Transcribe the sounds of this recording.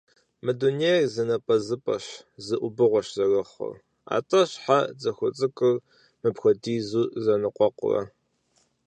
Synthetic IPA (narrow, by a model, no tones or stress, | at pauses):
mɨdunerzɐnɐpʼɐzɨpʼɐɕzɨʔʷʊbɨʁʷɔɕzɐrɐχʷɐ̰r | a̰ːtʼɐɕħad͡zɐxʷʊt͡sʼɨkʼɨr | mɨpxʷɐdiːzuːzɐnɨqʷʼɔqʷʊ̰rɐ̰